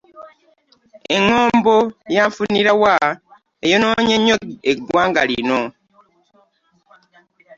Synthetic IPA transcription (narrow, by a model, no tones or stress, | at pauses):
eŋːoːmbo̞jaɱfuniɾawa | ejono̞ːɲeɲːoeɡwaːŋɡa̰lḭno